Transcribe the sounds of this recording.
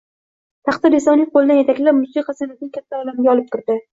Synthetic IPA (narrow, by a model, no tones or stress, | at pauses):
t̪ʰɑχt̪ad̪esɒnijqʰolˠɪd̪anjet̪ʰakʲlaɾmʊsiqʰɑsanat̪nɪŋkʲʰat̪ʰːaɒlamɡʲaɒlˠɪp̚t̪ɪɾd̪ɪ